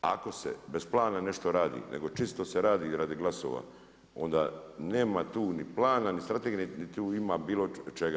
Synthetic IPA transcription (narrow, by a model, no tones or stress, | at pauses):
a̰ko̞sḛbesplˠaːnane̞ʃt̪o̞ɾaːd̪ḭːnḛɡo̞t͡ʃist̪o̞seɾaːd̪iɾad̪iɡlˠaso̰ːʋa̰ | o̞nd̪a̰ːneːmat̪uːniplaːnanist̪ɾat̪eɡinnit̪uːimaːbiːlo̞t͡ʃeɡa